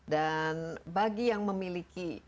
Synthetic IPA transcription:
danbaɡijaŋməmiliki

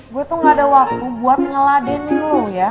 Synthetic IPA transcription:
ɡuat̪uŋɡadawak̚t̪ubuat̪̚ŋəladɛnɪŋloja

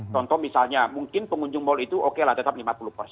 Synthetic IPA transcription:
t̪ɔnt̪ɔmisalɲamuŋkɪnpəŋuɲd͡ʒʊŋmɔlit̪uʔokelaht̪ət̪ap̚limapulʊhpərsɛ

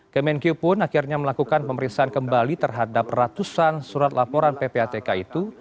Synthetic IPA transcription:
kəmɛnkjupʊnakirɲaməlakukanpəməɾinsaankəmbalit̪ərɦadap̚rat̪usansuɾat̪lapɔɾanpepeat̪ekait̪u

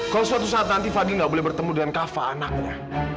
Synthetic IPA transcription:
kalosəwat̪usaːt̪̚nant̪ifadilŋɡaʔbolɛhbərt̪əmudəŋankafaːnak̚ɲa

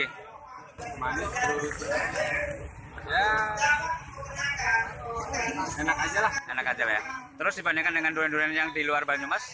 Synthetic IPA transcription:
manuɾuɾʊtbəa | ja | ɛnakad͡ʒalahɛnakːad͡ʒalaja̰t̪əɾʊsdibanakandəŋanduɾɛnduɾɛnjaŋdiluarbaɲumas

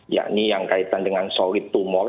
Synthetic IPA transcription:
ja̰nijaŋkait̪andəŋansɔɾit̪umɔ

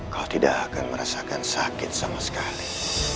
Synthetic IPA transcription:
kalat̪idaʔakanməɾasakansakɪt̪̚samasə̥kali

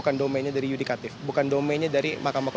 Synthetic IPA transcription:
kandomɛnɲadaɾijudikat̪ɪfbukandomɛnɲadaɾimakamakɔ

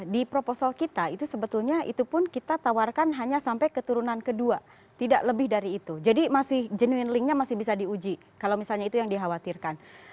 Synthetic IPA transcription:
dipɾoposɔlkit̪ait̪usəbət̪ulɲaḭt̪upʊnkit̪at̪awarkanɦaɲasampajkət̪uɾunankədua | t̪ida̰ʔləbɪhdaɾiːt̪ud͡ʒadimasɪhd͡ʒənuɪnlɪŋɲamasɪhbis̬adiud͡ʒi | kalawmisalɲait̪ujaŋdiɦawat̪irkan

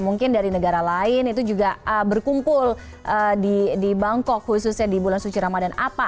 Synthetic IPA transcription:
muŋkɪndaɾinəɡaɾalaɪnit̪ud͡ʒuɡaəbərkumpʊl | ʔədidibaŋkɔkhusʊsɲadibulansut͡ʃiɾamadanapa

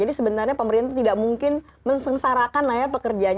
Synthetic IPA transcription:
d͡ʒadisəbənarɲapəməɾint̪at̪idaʔmuŋkɪn | mənsəŋsaɾakanlajapəkərd͡ʒaɲ

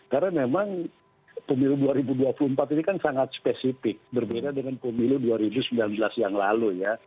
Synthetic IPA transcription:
kaɾamemaŋ | pəmiluduaɾibuduapulumpat̪inikansaŋat̪̚spesifɪk̚bərbedadəŋanpəmiluduaɾibusəmbilanbəlasjaŋlaluja

